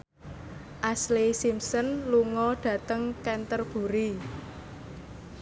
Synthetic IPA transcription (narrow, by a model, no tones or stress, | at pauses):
ʔaslisimsənluŋɔɖ̥ä̤t̪əŋkɛnt̪ərb̥ṳɾi